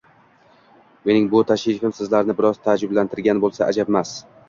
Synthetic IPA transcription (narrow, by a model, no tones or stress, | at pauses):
me̞nɪŋbʊt̪ʰaʃɪfɪmsɪzlaɾnɪbɪɾɒz̥t̪ʰad͡ʒɪblant̪ʰɪɾɡʲanbolˠsaʔad͡ʒabmas